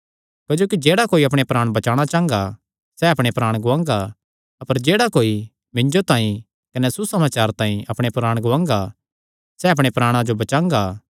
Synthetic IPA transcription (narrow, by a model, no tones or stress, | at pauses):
kɐd͡ʒoːkid͡ʒeːɽakoːiɐpɽ̃epɾaːɽ̃bɐt͡ʃaːɽ̃at͡ʃãːŋ̆ɡa | sɛɐpɽ̃epɾaːɽ̃ɡʊʋãːŋɡa | ɐpəɾd͡ʒeːɽakoːi | mɪ̃ɲd͡ʒot̪ãːĩ | kɐnɛsusɐmaːt͡ʃaːɾt̪ãːĩʔɐpɽ̃epɾaːɽ̃ɡʊãːŋɡa | sɛɐp̬ɽ̃epɾaːɽ̃ãd͡ʒobɐt͡ʃãːŋɡa